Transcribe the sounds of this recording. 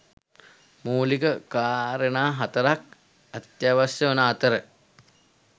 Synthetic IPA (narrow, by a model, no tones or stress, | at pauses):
muːlikəkaːɾənaːɦat̪əɾak̚ | ɐt̪jaːʋasjəonaːt̪əɾə